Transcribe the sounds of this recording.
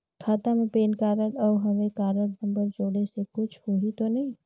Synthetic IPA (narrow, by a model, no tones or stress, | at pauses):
kʰat̪əmepeːnkaːɾəlɔːɦəmekaːɾəɾnə̃mbəɾd͡ʒoːɽesekʊt͡ʃʰhoɦit̪onəɦĩ